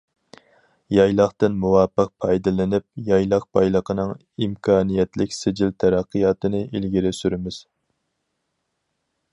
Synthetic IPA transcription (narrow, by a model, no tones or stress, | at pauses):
jɑjlˠɑχt̪ɨnmuwɑːpːəq̚pʰɑjd̪ɨlɪnɪp̚jɑjlˠɑq̚pʰɑjlˠəqʰənɨŋ | imkʰɑːnijɛt̪lɪkʲsɪd͡ʒilt̪ʰɛɾɑqʰːijɑːt̪ɨnɨʔilɡʲiɾɪsyɾɪmɪz̥